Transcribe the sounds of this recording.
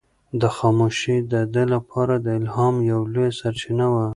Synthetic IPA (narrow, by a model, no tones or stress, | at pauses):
d̪əxɑmoʃid̪əd̪elapʰɑɾad̪əɪlɦɑmjawlojsaɾt͡ʃinawa